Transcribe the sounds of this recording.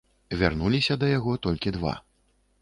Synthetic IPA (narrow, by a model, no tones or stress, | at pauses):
vʲarnulʲisʲɐd̪ɐjaɣɔt̪ɔlʲkʲid̪va̰